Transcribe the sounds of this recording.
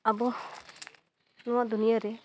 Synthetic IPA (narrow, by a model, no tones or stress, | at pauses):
abɔ | nɔwaʔd̪unijaɾɛ